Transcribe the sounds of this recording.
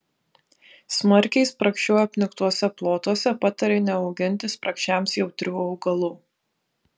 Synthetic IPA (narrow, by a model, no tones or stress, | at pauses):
smɐɾʲkʲɛɪspɾɐkʃʲt͡ʃʲuːɛɐpʲnʲɪkt̪uɔsʲɛplˠoːt̪uɔsʲɛpɑːt̪ɐɾʲeːnʲɛɐʊɡʲɪnʲˑt̪ʲɪspɾɐkʃʲt͡ʃʲæˑmsjɛʊt̪ʲɾʲuːɐʊɡɐlˠuː